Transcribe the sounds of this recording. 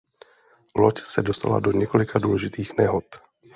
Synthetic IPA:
locsɛdost̪a̰la̰doɲɛkolɪkʰaduːlɛʒɪt̪iːxnɛɦot̪

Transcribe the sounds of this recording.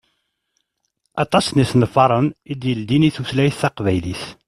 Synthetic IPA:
ɑt̪ˤɑsnisnəfɑɾˤənid̪jəld̪iniθuθlæjθːɑqvæjliθ

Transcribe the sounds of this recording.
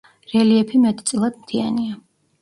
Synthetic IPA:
ɾɛliɛpʰimɛt̪ʰʼt̪sʼlˠad̪mt̪ʰiania

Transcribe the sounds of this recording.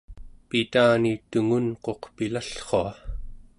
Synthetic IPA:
pit̪aːnit̪uŋunqo̞qpilaɬχoa

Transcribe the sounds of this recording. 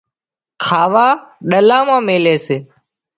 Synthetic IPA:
kʰaːʋaːɗəlaːmãːmeːleːseː

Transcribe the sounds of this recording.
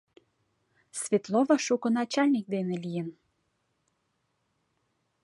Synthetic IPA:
svʲet̪lovəʃukɤ̆nɑt͡ɕɑlʲnik̚d̪enelijən

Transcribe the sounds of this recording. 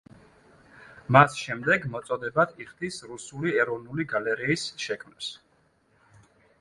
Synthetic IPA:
masʃɛmd̪ɛɡmɔt̪sʼɔd̪ɛbat̪ʰiχd̪isɾusuliɛɾɔvnuliɡalɛɾiːsʃɛkʰmnɛs

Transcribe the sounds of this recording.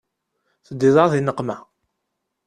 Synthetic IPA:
θəd̪ːiðˤɑðinəqːmæ

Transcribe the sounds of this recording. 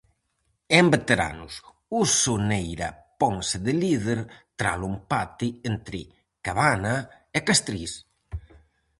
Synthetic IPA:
embet̪eɾa̰nʊs | usonejɾa̰pɔŋseðɪliðeɾt̪ɾa̰lumpat̪ient̪ɾɪ | kaβana | ekast̪ɾis

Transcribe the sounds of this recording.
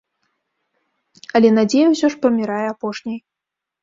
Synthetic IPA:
ɐlʲɛnad͡zʲejɛwsʲɔʂprɐmʲiɾajɛapɔʂnʲɐj

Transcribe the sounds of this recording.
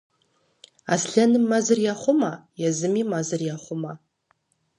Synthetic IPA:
a̰sɬanɨmːazɨrjaχʷʊmajazɨmimazɨrjaχʷʊma

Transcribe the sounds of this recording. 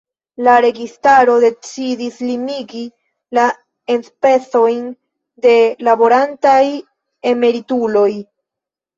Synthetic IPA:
laɾe̞ɡistaɾo̞de̞t͡sidislimiɡi | la | e̞nspe̞t͡so̞jn | de̞labo̞ɾantaj | e̞me̞ɾitulo̞j

